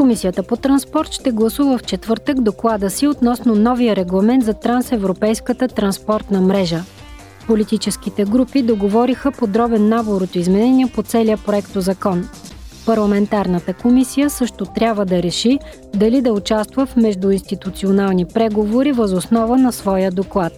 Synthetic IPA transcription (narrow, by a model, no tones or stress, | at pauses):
komisijət̪əpot̪ɾɐnspɔɾt̪ʃt̪ɛɡlˠɐsuvəft͡ʃɛt̪vɤɾt̪əɡd̪oklˠad̪əsiot̪nɔsnonɔvijəɾɛɡlˠɐmɛnt̪zɐt̪ɾansɛvɾopɛjskət̪ət̪ɾɐnspɔɾt̪nəmɾɛʒə | polit̪it͡ʃɛsk̟it̪ɛɡɾupid̪oɡovɔɾixəpod̪ɾɔbɛnːaboɾot̪oizmɛnɛniɛpot̪sɛliəpɾoɛkt̪ozɐkɔnpɐɾlˠɐmɛnt̪aɾnət̪əkomisijəsɤʃt̪ot̪ɾʲabvəd̪ɐɾɛʃi | d̪ɐlid̪ɐʊt͡ʃast̪vəfmɛʒd̪uinst̪it̪ut̪sionalˠnipɾɛɡovoɾivəzosnɔvənɐsvɔjəd̪oklˠat̪̚